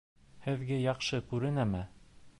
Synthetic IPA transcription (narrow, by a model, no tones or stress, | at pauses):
hɘ̆ðɡæjɑqʃɤkʉɾɘ̆næmæ